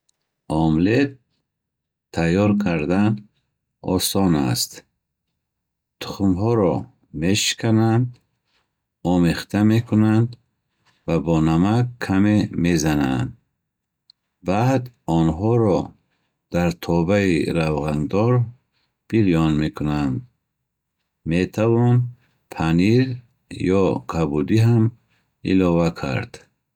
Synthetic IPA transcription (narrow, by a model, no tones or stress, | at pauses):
ɔmlet̪ | ajɔɾkʰaɾd̪an | ɔ̰sɔna̰st̪ | t̪ʰu̥χumɦɔɾɔ | me̞ʃi̥kʰanand̪ | ɔmeχt̪ʰamekʰunand̪ | vabɔnamakʰːamemezana̰nd̪ | bad̪ɔnɦɔɾɔ | d̪̥aɾt̪ʰɔbaiɾavʁand̪ɔɾ | b̥ilijɔnmekʰunand̪ | met̪ʰavɔn | pʰaniɾ | jɔqʰabud̪iɦam | ḭlɔvakʰa̰ɾd̪̥